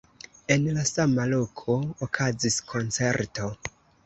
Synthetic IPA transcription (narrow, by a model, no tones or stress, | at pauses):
e̞nlasamalo̞kʰo̞ːkʰaziskʰo̞nt͡se̞ɾto̞